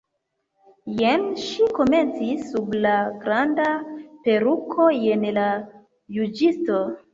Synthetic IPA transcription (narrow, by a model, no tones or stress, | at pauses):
jemʃiko̞me̞nt͡sisːublaɡɾandape̞ɾukʰo̞enla | jud͡ʒisto